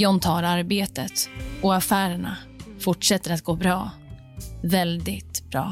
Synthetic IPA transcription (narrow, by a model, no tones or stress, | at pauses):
jɔmt̪ʰɑːɾaɾbeːt̪ət̪ɔafæːɾəɳa̰ | fʊʈʂɛt̪ːəɾat̪ɡoːbɾɑː | vɛld̪ɪt̪bɾɑ̰ː